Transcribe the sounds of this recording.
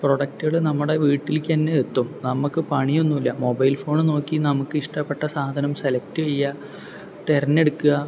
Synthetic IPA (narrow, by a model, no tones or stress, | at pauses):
proɽɐk̚tɨɣɐɭnɐmːuɽe̞ʋiːʈːilk̪ʲːɐnːeet̪ːumnɐmukːɨpɐɳijo̞nːumilːɐmo̞bɐjlfo̞ːɳɨno̞ːkːinɐmukːɨiʂʈɐpːe̞ʈːɐsaːd̪ʱɐnɐmselɐk̚tɨʋejːɐ | t̪erɐnːe̞ɽukːuɣɐ